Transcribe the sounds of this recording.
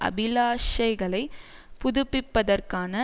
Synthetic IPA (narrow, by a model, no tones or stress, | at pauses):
ʔɐ̰bɪlaːʂɐɪɣɐɭɐɪ | pʊðʊpːɪpːɐðɐrkaːnɐ